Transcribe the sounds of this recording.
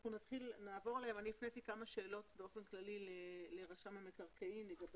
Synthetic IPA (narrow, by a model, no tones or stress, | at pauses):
χunat̪χilnaːvo̞ʁlehemanibifnejtikamaʃe̞ːlo̞tbeo̞fenklalileleʁaʃamemekaʁkeimleɡab